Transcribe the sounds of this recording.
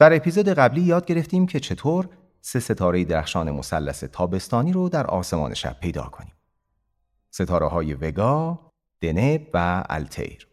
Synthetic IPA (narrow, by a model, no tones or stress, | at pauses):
d̪̥æɾe̞pʰiːzoːd̪e̞ɣæbliːjɒːd̪̚ɟe̞ɾeft̪iːmcʰe̞t͡ʃʰe̞t̪ʰoːɾ | se̞se̞t̪ʰɒːɾe̞jed̪eɾæxʃɒːne̞mo̞sælːæse̞t̪ʰɒːbe̞st̪ɒːniːɾod̪æɾʔɒ̰ːse̞mɒ̰ːnʔe̞̰ʃæ̰b̥̚ʰːejd̪ɒ̰ːkʰo̞niːm | se̞t̪ʰɒːɾḛɦɒːjeve̞ɡɒː | d̪̥e̞nebvææ̰lt̪ʰḛjɾ